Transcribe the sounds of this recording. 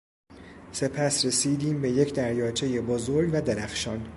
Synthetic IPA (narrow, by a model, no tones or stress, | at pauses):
se̞pʰæsɾe̞siːd̪iːmbe̞je̞cʰd̪æɾjɒːt͡ʃʰe̞je̞bozo̞ɾɡvæd̪eɾæxʃɒːn